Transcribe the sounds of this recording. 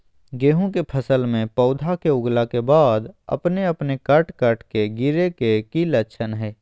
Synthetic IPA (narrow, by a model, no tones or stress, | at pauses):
ɡeːɦõkepʰəsəlmẽpəʊd̪ʱakeʊɡlakebaːd̪ɐ̰pneɐpnekəʈkəʈʰkeɡɪɾekekiːlətːʃʰənɦɛː